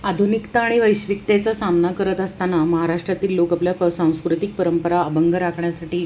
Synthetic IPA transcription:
ad̪ʱunikt̪aːɽ̃iʋəjɕʋikt̪et͡sasamnakəɾət̪əst̪anaməɦaɾaʂʈɾat̪iːlːokapljaəsãw̃skɾut̪ik̚pəɾəmpəɾaːbəŋɡʱəɾakʰɳjasaʈiː

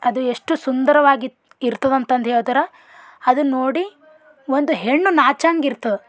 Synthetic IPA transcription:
ɐd̪ueʂʈusund̪ɐɾɐʋaːɡi | iɾt̪ɐd̪ɐnt̪ɐnd̪ejot̪ɐɾɐ | ɐd̪unoːɽi | ʋo̞nd̪uɦeɳːunaːt͡ʃaːŋɡiɾt̪ɐu

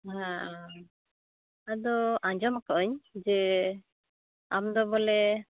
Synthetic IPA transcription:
ɦã | ad̪ɔʔãɲd͡ʒɔmakɔʔɔɲd͡ʒɛ | amd̪ɔbɔlɛ

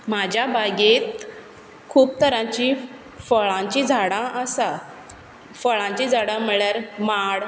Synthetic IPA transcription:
mad͡ʑʱjabaɡet̪ | kʰuːp̚t̪əɾãt͡ɕĩ | fəɭãɲt͡ɕĩd͡zʱaɽãʔəsa | fəɭãɲt͡ɕĩd͡zʱaɽãm̤əɭjaɾmaɽ

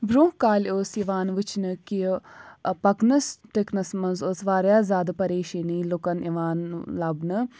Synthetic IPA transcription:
bɾõːkaːlʲoːsiʋaːnʋɨt͡ʃʰnɨki | pɐknɐsʈeknɐsmɐnzoːsʋaːɾjaːzʲaːd̪ɨpɐɾeːʃinilokɐniʋaːnlɐbnɨ

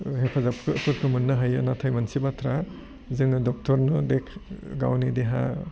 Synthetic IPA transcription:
hepʰazapkʰɯkʰɯɾkʰɯmunːɯɦaja̰natʰajmansibatʰɾa | zɯŋɯdɔk̚tʰɔɾnɔdekʰɡa̰wnideɦa̰

